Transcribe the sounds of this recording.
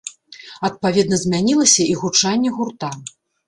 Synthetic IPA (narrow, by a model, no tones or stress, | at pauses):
ɐt̪̚pavʲɛd̪nɐzʲmʲanʲilˠɐsʲɐiɣut͡ʂanʲːɛɣurt̪a